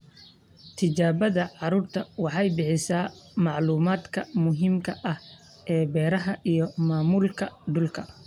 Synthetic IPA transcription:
t̪ʰɪt͡ʃaːβɐðɐʕɑɾuːrt̪ʰɐwɑħɑjbɪħɪsaːmɑʕluːmaːd̪kʰɐmʊɦiːmkʰɐʔɐh | ʔɛːbɛːɾɐɦɐʔijɞmaːmuːlkʰɐɖʊlkʰɐ

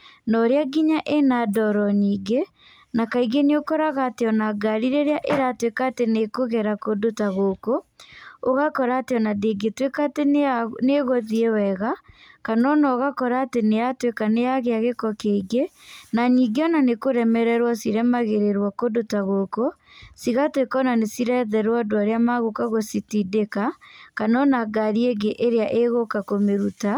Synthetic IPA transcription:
nɔɾeaɡiɲaʔenadɔɾɔniːɡe | nakaiɡeneokɔɾaɣaːteɔnaɡaɾiɾeɾeaʔeɾatwekaːtenekoɣɛɾakodotaɣoko | oɣakɔɾaːteɔnadeɡetwekateneɣɔðiewɛɣa | kanɔnɔɣakɔɾaːtenejatwekanejaɣeaɣekɔkeiɡenaɲiɡeɔnanekoɾɛmɛɾɛɾwɔsiɾɛmaɣeɾeɾwakodotaɣoko | siɣatwekɔnanesiɾɛðɛɾwɔdoaɾeamaɣokaɣositidekakanɔnaɡaɾieɡeʔeɾeaʔeɣokakomeɾuta

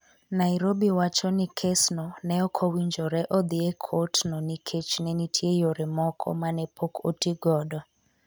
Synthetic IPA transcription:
naiɾobiwat͡ʃɔnikʰesnɔnɛɔkʰɔwiɲd͡ʒoɾɛʔɔd̪iekʰotnɔnikʰet͡ʃnɛnitʰiejoɾɛmɔkʰɔ̰manɛpʰokʰo̰tiɡɔdɔ

